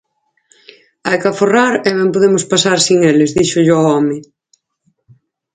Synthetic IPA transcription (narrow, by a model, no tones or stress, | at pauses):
ajkaforaɾɛβɛmpoðemospasaɾsiŋelɪzðiʃʊʎoaɔmɪ